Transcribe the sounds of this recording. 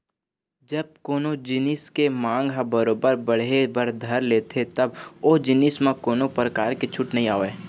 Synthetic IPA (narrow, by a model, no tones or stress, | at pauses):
d͡ʒɐb̚koːnod͡ʒɪnɪskemãːŋɡɦabəɾoːbəɾbəɽ̤ebəɾd̪ʱɐɾleːt̪et̪ɐboːd͡ʒɪnɪsmẽkoːnopɾəkaːɾket͡ʃʰʊʈnɐɦĩaːoʋeː